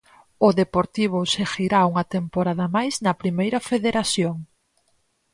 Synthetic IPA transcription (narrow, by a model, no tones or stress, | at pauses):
ʊðepoɾt̪iβ̞ʊsexiɾauŋɐt̪empoɾaðɐmajznɐpɾimejɾɐfeðeɾaθjoŋ